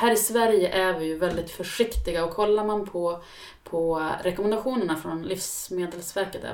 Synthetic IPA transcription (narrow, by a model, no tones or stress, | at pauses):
hæːɾɪsvæɾjəʔæɾvɪjɵvɛld̪ɪt̪fœʂɪkt̪ɪɡaɔkʰːɔlːaɾmanpʰɔ | pʰɔɾɛkɔmɛnd̪aɧuːnəɳafɾɔnlifsmeːd̪əlsvæɾkət̪æ̰